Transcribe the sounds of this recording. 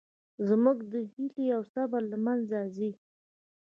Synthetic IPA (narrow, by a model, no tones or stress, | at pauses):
zmuɡd̪əhiliawsabalamanzazi